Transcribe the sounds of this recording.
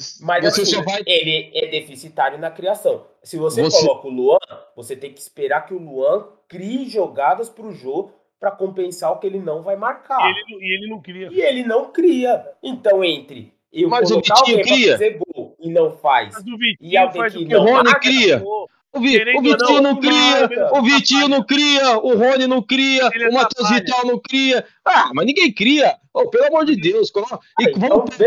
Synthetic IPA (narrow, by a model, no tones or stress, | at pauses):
majzosesevajelɪɛd̪efisit̪aɾjʊnɐkɾiasɐ̃w̃ | sɪvoseosɔmokõluɐ̃voset̪ẽj̃kɪispeɾaɾkɪʊluɐ̃kɾiɪʒoɡad̪ɐspɾʊʒoʊ | pɾɐkõpẽsaɾʊkɪelɪnɐ̃w̃vajmaɾkaelɪielɪnɐ̃w̃kɾiɐɪelɪnɐ̃w̃kɾiɐẽnt̪ɐ̃w̃ẽnt̪ɾɪ̰ | ewmɐzʊviat͡ʃĩɲʊkɾiɐzeɡoɪnɐ̃w̃fa̰jszviɪaaʊɦõnikɾiɐ | ʊviʊvit͡ʃĩɲʊnɐ̃w̃kɾiɐʊvit͡ʃĩɲʊnɐ̃w̃kɾiɐʊɦõnɪnɐ̃w̃kɾiɐumat̪ozvit̪awnɐ̃w̃kɾiɐ | amɐznĩɡẽj̃kɾiɐ | opeluamoɾd͡ʒɪd̪ewskõnɪvɐ̃mʊve